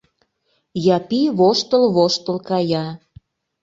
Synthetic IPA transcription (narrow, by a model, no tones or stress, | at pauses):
jɑpiβoʃt̪əlβoʃt̪əlkɑjɑ